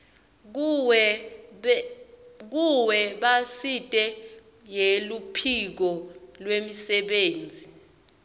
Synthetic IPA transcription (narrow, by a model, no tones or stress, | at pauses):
k̬uwɛɓasitʼɛ | jelupʰik̬ɔlwemisɛɓeːnd͡zʱi